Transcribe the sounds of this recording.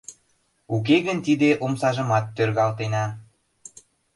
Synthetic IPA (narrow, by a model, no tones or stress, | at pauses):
uk̬eɣənt̪id̪eʔomsɑʒə̆mɑt̪ːørɣɑlt̪enɑ